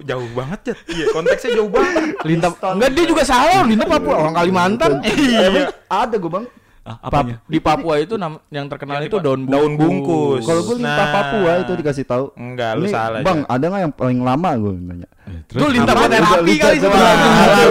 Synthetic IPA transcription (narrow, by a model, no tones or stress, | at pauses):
d͡ʒaʊhbaŋət̪̚d͡ʒaikɔnt̪ɛksɲad͡ʒaubaəlint̪aŋɡaʔdiad͡ʒuɡasalalint̪apapuaoɾaŋkalimant̪anapiadaɡuabaŋ | paɲadipapuait̪unamjaŋt̪ərkənalit̪udaʊndaʊnbuŋkʊkaloɡualint̪apapuait̪udikas̬ɪht̪auŋɡalnsa̰labaŋa̰daŋajaŋpalɪŋlamaɡuabaɲa̰ʔ̪t̪ʊlint̪aat̪aalikaaiaa